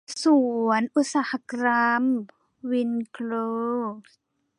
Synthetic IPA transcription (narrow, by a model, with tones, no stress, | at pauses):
su˩ənʔu˧˥t̪̚saː˨˦ha˧kɾa˧m | wi˧˥nkʰloː˧s